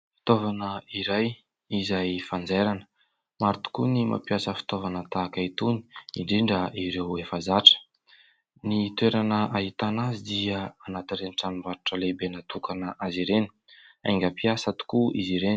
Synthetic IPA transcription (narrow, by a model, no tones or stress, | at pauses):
fi̥t̪ovanəiɾaj | izajfand͡zeɾanə̥ | maɾt̪u̥kunima̰piasəfi̥t̪ovanət̪akait̪uni̥iɳɖ͡ʐiɳɖ͡ʐəʔiɾewefazaʈ͡ʂə̥ | nit̪weɾanəʔaɦit̪anazid̪iəanat̪iɾeniʈ͡ʂanimvaɾuʈ͡ʂəlebenat̪ukanəʔaziɾeni̥a̰ŋɡʲapiasat̪u̥kuiziɾen